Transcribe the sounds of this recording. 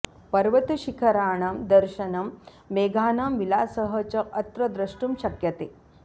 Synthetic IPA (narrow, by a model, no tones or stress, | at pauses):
pɐɾʋɐt̪uʃikʰɐɾaːɳamd̪ɐɾʃɐnɐm | ʋeːɡʱaːnamʋilaːsɐɦɐt͡ʃɐʔɐt̪ɾɐd̪ɾɐʂʈumɕɐkjɐt̪eː